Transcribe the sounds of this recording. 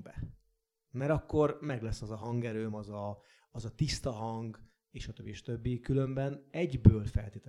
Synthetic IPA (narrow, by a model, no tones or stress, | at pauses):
bɛ | mɛɾɒkːo̞rmɛɡlɛsːɒzɒɦɒŋɡɛɾøːmɒzɒː | zɒt̪ist̪ɒɦɒŋɡ | eːʃɒt̪øbːieʃɒ̥t̪øbːikylø̞mbɛnɛɟbøːlfɛ̰lt̪eːt̪ɛ